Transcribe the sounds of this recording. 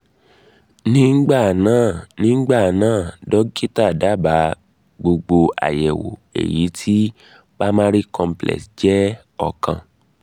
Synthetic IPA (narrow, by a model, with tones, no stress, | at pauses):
nĩ˦ŋ̩˦ɡ͡ba˦˨nãː˦˨nĩ˦ŋ̩˦ɡ͡ba˦˨nãː˦˨dɔ˨˦ɡi˦ta˦˨da˨˦ba˨˦ | ɡ͡bo˧ɡ͡bo˧a̰˨jɛ˨wo̰˨ḛ˨ji˨˦tʰi˦ | ba˦mã˦ɾi˦kɔ̃˧mplɛ̰˨sd͡ʒɛ˦ | ɔ˦˨kã˧